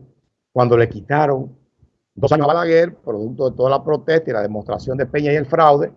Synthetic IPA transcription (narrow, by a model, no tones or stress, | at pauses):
kwand̪o̞le̞kit̪aɾo̞ŋ | d̪o̞s̬aɲoaβalaɣeɾpɾoðuk̚t̪oðet̪o̞ðalapɾo̞t̪e̞st̪aila̰ðe̞most̪ɾa̰sjo̞nd̪epe̞ɲaie̞lfɾawðe̞